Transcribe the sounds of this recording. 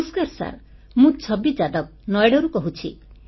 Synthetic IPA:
skaɾsa̰ɾ | mũt͡ʃʰɔbid͡ʒad̪ɔk̚nɔjɽɔɾukɔɦut͡ʃʰi

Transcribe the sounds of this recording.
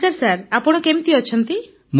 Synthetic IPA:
aɾsaɾapɔɽ̃ɔkemit̪iɔt͡ʃʰɔnt̪i | m

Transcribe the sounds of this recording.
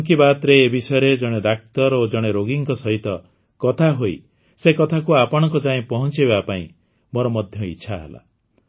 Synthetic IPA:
ŋkibat̪ɾeːbisɔjɔɾed͡ʒɔɽ̃ed̪ak̚t̪ɔɾod͡ʒɔɽ̃eɾoɡiŋkɔsɔɦit̪ɔ | kɔt̪ʰaɦoj | sekɔt̪ʰakuapɔɽ̃ɔ̃ŋkɔd͡ʒaẽpɔɦɔnt͡ʃiβbapaĩ | moɾɔmɔd̪ʱjɔitːʃʰaɦḛla̰

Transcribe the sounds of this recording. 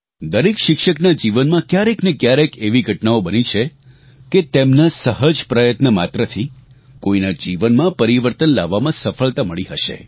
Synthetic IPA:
d̪əɾekʃɪkʃəknad͡ʒiʋənmãkjaɾeknekjaɾekeʋiɡʱəʈnaobənit͡ʃʰe | ket̪emnasəɦəd͡ʒpɾəjət̪nəmat̪ɾət̪ʰi | koinad͡ʒiʋənmãpəɾiʋəɾt̪ənlaʋːamãsəfəɭt̪aməɭiɦəʃḛ

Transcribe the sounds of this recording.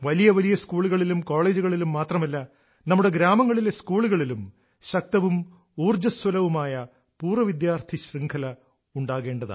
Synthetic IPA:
ʋɐlijɐʋɐlijɐskuːɭuɣɐɭilumko̞ːɭe̞ːd͡ʑuɣɐɭilumːaːt̪rɐmɐlːɐ | nɐmːuɽe̞ɡɾaːmɐŋːɐɭileskuːɭuɣɐɭilum | ɕɐk̚t̪ɐʋum | uːrd͡ʑɐswɐlɐʋumaːjɐ | puːrʋɐʋid̪jaːrt̪ʰiɕriŋkʰɐlɐ | uɳɖaːɣe̞ːɳɖɐða̰ː

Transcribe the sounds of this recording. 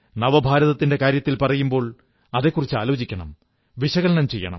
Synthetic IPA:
nɐʋɐbʱaːɾɐðɐt̪ːinde̞kaːɾjɐt̪ːilpɐrɐjumbo̞ːɭ | ɐðe̞kːurit͡ɕːɨa̰ːloːd͡ʑikʲːɐɳɐ̰m | ʋiɕɐɣɐɭnɐmt͡ɕe̞̰jːɐ̰ɳɐ̰m

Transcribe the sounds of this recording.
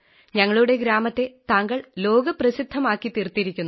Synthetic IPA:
ɲɐŋːɐɭuɽe̞ɡɾaːmɐt̪ːe̞t̪aŋɡɐɭlo̞ːɡɐprɐsid̪ʱːɐmaːkːit̪irt̪ːiɾikʲːunːu

